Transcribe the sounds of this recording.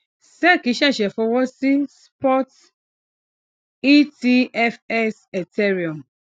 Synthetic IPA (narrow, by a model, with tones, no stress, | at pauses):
sɛ˦˨ki˨˦ʃa˦˨ʃɛ˨fɔ˧wɔ˦si˦spɔ˦t | i˦ti˦ɛ˦fɛ˦sɛ˨tɛ˦ɾi˨ɔ˨m